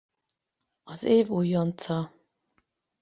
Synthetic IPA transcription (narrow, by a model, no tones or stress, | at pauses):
ɒzeːvujːont̪sɒ